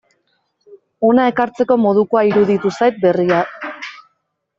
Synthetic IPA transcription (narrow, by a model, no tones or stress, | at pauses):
o̞nae̞kaɾt͡se̞ko̞mo̞ð̞uko̞aiɾuðit̪usajt̪̚be̞ria